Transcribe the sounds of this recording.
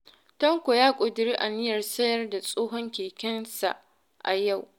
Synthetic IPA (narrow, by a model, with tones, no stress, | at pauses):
tɐ˦ŋkʷo˨jaː˦kʷʼʊ˨dɪ˨ɾiː˦ʔa˨nɪ˦jɐ˨rsɐ˦jɐ˦rda˨sʼoː˦ɦɔ˦ŋkʲeː˨kʲɐ˦nsa̰˨ʔ | ʔa̰˨ja˦˨w